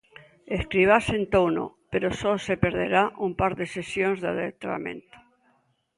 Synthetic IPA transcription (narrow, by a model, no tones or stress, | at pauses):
eskɾiβ̞asent̪owno̰peɾososepeɾðeɾaʔumpaɾðesesjonzðaðet̪ɾa̰mḛ̃nt̪o̥